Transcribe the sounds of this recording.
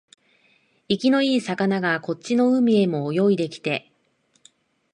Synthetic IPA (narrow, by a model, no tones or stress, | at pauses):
ikʲino̞iːsakanaɡako̞tt͡ɕːino̞ɯ̟mʲie̞mo̞ːjo̞id̪e̞kʲi̥t̪e̞